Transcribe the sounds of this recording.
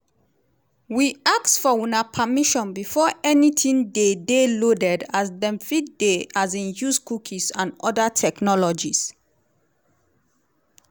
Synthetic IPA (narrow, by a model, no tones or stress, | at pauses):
wiak̚tfɔwunapʰamiʃɔ̃nbifɔɛnitʰĩndedelodɛdasdɛ̃mfitdeazĩnjuskukʰisãnɔdatʰɛknɔlɔd͡ʒis